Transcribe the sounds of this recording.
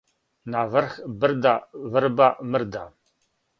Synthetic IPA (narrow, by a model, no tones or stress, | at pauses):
navərxbɨrd̪avɨɾbamɨrd̪a